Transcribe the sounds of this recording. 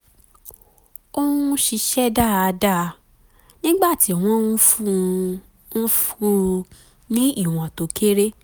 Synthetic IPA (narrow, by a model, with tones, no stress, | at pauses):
o˦ũ˦ʃi˧ʃɛ˦da˦˨a˧da˦˨˧ | nĩ˦ɡ͡ba˦˨ti˨˦a˨w̃ɔ̃˦ | n̩˦fu˦ | nĩ˦i˦˨w̃ɔ̃˨to˨˦ke˦ɾe˦